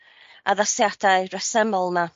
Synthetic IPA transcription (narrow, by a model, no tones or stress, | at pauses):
aðasjad̥ajrɛsɛmɔlˠma